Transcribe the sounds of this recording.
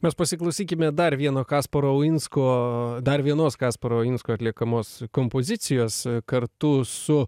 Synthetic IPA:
mʲɛspɐsʲɪklˠɐʊsʲiːkʲɪmʲɛd̪ɐɾʋʲiɛnoːkɑːspoɾoːʊɪnskoːd̪ɐɾʋʲiɛnoːskɑːspoɾoːʊɪnskoːɐt̪ʲlʲiɛkɐmoːskompoːzʲɪt̪sʲɪjoːskɐɾt̪ʊsʊ

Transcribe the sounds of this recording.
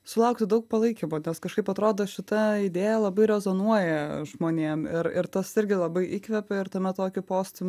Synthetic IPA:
sʊlˠɐʊkt̪ʲɪd̪ɐʊk̚pɐlˠɐɪkʲimoːnʲɛskɐʃkɐɪpɐt̪ɾoːd̪oːʃʲɪt̪ɐɪd̪ʲeːjɛlˠɐbɐɪɾʲɛzoːnuɔjɛʒmoːnʲeːmɪɾɪ̰ɾt̪ɐsɪɾʲɡʲɪlˠɐbɐɪʔiːkʋʲɛpʲɛɪɾt̪ɐmʲɛt̪oːkʲɪpoːsʲt̪ʲɪm

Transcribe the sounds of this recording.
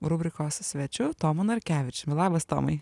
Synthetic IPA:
ɾʊbʲɾʲɪkoːssʲʋʲɛt͡ʃʲʊt̪oːmʊnɐɾʲkʲæːʋʲɪt͡ʃʲmʲlˠɑːbɐst̪o̰ːmɐɪ

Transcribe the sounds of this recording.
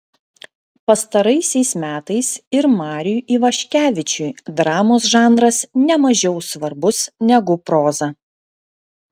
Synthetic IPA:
pɐst̪ɐɾɐɪsʲɛɪsmʲæːt̪ɐɪsɪɾmɑːɾʲɪjuʔiːʋɐʃʲkʲæːʋʲɪt͡ʃʲuːd̪ɾɑːmoːs̬ʒɑːnd̪ɾɐsnʲɛmɐʒʲɛʊsʋɐɾbʊsnʲɛɡʊpɾoːzɐ

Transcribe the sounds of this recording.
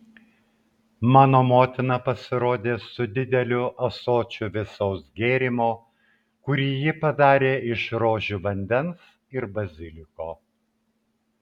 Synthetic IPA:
mɑːnoːmoːt̪ʲɪnɐpɐsʲɪɾoːd̪ʲeːsʊd̪ʲɪd̪ʲɛlʲʊʔɐsoːt͡ʃʲʊʋʲɪsɔʊsɡʲeːɾʲɪmoː | kʊɾʲiːjɪpɐd̪ɑːɾʲeːʔɪʃɾoːʒʲuʋɐnʲd̪ʲɛns | ɪɾbɐzʲɪlʲɪkoː

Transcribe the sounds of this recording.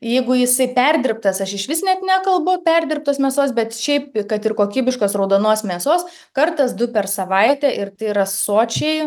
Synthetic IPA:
jɛɪɡʊjɪsɐɪpʲɛrʲd̪ʲɪrp̚t̪ɐsɐʃɪʃʋʲɪsnʲɛt̪nʲækɐlˠbʊpʲɛrʲd̪ʲɪrp̚t̪oːsmʲɛːsoːsbʲɛt̪ʃʲɛɪpkɐt̪ɪrkoːkʲiːbʲɪʃkoːsrɐʊd̪oːnoːsmʲeːsoːs | kɐrt̪ɐsd̪ʊpʲɛrsɐʋɐɪt̪ʲɛʔɪrt̪ɐɪrɐssoːt͡ʃʲɛɪ

